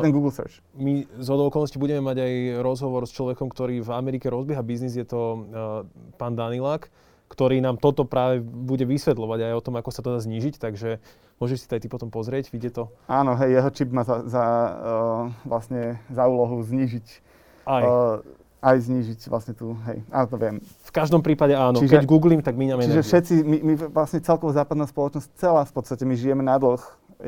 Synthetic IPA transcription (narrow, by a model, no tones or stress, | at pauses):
ɛnɡuːɡlsɛ̰ɾt͡ʃ | mizɔd̪ɔʊɔkɔlˠnɔscibuɟɛmɛmaɟajɾɔzɦɔʋɔɾst͡ʃlɔʋɛkɔmkt̪ɔɾiːvamɛɾikɛɾɔzbɪɛɦabiznizjɛt̪ɔ | paːnd̪anilaːk | kt̪ɔɾiːnaːmt̪ɔt̪ɔpɾaːʋɛbuɟɛʋisʋɛt̪lɔʋaɟajɔt̪ɔmakɔsat̪ɔd̪aːzɲiːʒict̪aɡʒɛ | mʊɔʒɛʃsi̥t̪ajt̪ipɔt̪ɔmpɔzɾɪɛɟʋiɟɛt̪ɔaːnɔɦɛjjɛɦɔt͡ʃibmaːzaza | ʋlasɲɛzauːlɔɦuzɲiːʒic | aj | ajzɲiːʒicʋla̰sɲɛt̪uɦɛ̰jʔa̰ːnɔt̪ɔʋɪɛm | fkaʒd̪ɔmpɾiːpaɟɛaːnɔt͡ʃiʒkɛɟɡuːɡliːmt̪aɡmiɲamɛt͡ʃɛniʒɛfʃɛt͡simimiʋlasɲɛt͡sɛlkɔʋɔzaːpad̪naːspɔlɔt͡ʃnɔsc̚t͡sɛlaːfpɔt̪t͡st̪acɛmiʒijɛmɛnad̪l̩x